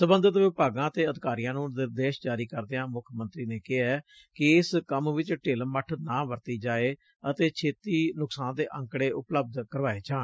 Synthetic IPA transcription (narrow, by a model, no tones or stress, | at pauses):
səbənd̪ət̪ʋɪpaːɡãːət̪eːəd̪ɪkaːɾijãːnũːnɪɾd̪eːʃd͡ʒaːɾiːkəɾd̪eːãːmʊkʰmə̃nt̪ɾiːneːkɪɛː | kɪɪskəmʋɪt͡ʃʈeːlməʈʰnãːʋəɾt̪iːd͡ʒaːeː | ət̪eːt͡ʃʰeːt̪iːnʊksãːnd̪eːʔə̃ŋkɽeːʔʊpləb̚d̪kəɾʋaːeːd͡ʒãː